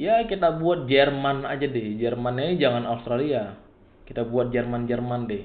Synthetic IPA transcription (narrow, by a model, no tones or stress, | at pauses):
jakit̪abuat̪̚d͡ʒɛrmanad͡ʒadɪhd͡ʒɛrmanɲad͡ʒaŋanaust̪ɾalia | kit̪abuat̪̚d͡ʒɛrmand͡ʒərmandɪh